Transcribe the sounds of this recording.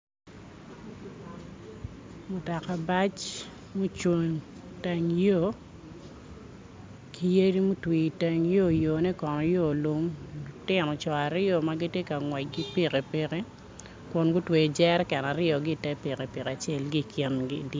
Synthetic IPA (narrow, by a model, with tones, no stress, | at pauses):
mʊ˨ta˨ka˨ba˦t͡ʃ | mu˦t͡ʃo˨ɲ | tɛ˨ŋjo˦ | kʰi˦je˦ɾi˦mu˦twi˨tɛ˨ŋjo˦˨jo˨nɛ˦kɔ˨nɔ˨jo˦lu˦m˨tɪ˨nɔ˨t͡ʃɔ˨a˨ɾɪ˦ɔ˨maɡi˦tje˦ka˨ŋwɛ˨ɡi˦pi˦ke˨pe˨ke˦ | kɔ˨nɡʊ˦twe˨d͡ʒɛ˦ɾkɛ˨na˨ɾɪ˦ɔ˨ɡɪ˦˨tɛ˦pi˨ke˨pɪ˨ka˨t͡ʃɛ˦lɡi˦˨kʰɪ˦nɡi˦˨d